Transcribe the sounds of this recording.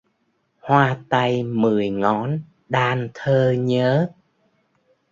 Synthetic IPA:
hwaː˧t̪a˧jmɨ˨˩əjŋɔ˨˦n | ɗaː˧nt̪ʰəː˧ɲəː˨˦

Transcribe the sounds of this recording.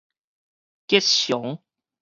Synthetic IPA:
ke˦˥t̚ɕjo˨˦ŋ

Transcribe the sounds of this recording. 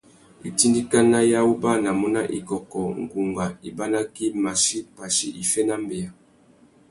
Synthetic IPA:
i˨ti˦ndi˦ka˦na˦ja˦wu˦ba˦na˨mɔ˦na˦ʔḭ˨kɔ˨kɔ˨ŋ̩˨ɡu˨ŋɡa˨i˨ba˦na˦ki˦ma˨ʃi˦pa˨ʃḭ˦ʔi˨fɛ˦na˦mbe˨ja˨

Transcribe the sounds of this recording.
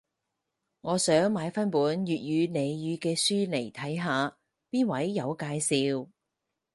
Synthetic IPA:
ŋɔː˨˧sœː˨˥ŋmaː˨˧jfɐ˥npuː˨˥njyː˨t̚jyː˨˧ne˨˧jjyː˨˧kɛː˧syː˥le˨˩jt̪ʰɐ˨˥jɦaː˨˧ | piː˥nwɐ˨˥jːɐ˨˧wkaː˧jsiː˧w

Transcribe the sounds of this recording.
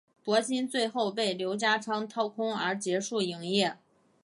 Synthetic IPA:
pwɔ˧˥ɕi˥nt͡swe˥˧ɪxo˥˧ʊp̬e˥˩ɪljo˧˥ʊt͡ɕja˥ʈ͡ʂʰɑ˥ŋt̪ʰɑ˥˩ʊkʰʊ˥ŋə˞˧˥t͡ɕjɛ˧˥ʂu˥˩i˧˥ŋjɛ˥˩

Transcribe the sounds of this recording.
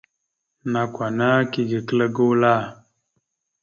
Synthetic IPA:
na˨kwa˨na˦ki˨ɡə˨kə˦lə˦ɡu˦la˦˨

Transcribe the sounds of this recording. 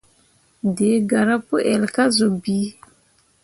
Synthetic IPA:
de˨˦ɡa˨ɾa˦po˦ʔɛ˨lka˦zo˨bi˨˦

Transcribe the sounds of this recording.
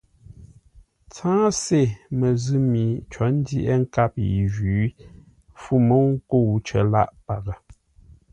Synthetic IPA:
t͡sãː˦se˦˨mə˨zɨ˦mi˨t͡ʃɔ˨˦n̩˦di˦ʔɛ˦ŋ̩˦ka˦˨p̚jḭ˨ʒʉː˨˦ | fu˦mo˦ŋ̩˦ko˦˨wt͡ʃə̰˨la̰˦˨ʔpa˨ɣə˨

